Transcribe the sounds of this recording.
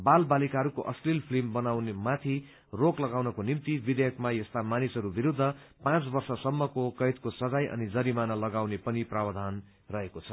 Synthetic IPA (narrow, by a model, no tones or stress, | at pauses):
balbalikaɦʌɾukoʔʌslilpʰlimbʌnawnemat̪ʰi | roklʌɡawnʌkonimt̪ibid̪ejʌkmajʌst̪amanisʌɾubiɾud̪ʱːʌ | pãt͡sbʌrsʌsʌmːʌkokʌjt̪kosʌd͡zajʔʌ̰nid͡zʌɾimanʌlʌɡawnepʌniprabʌd̪ʱan | rʌɦekot͡sʰʌ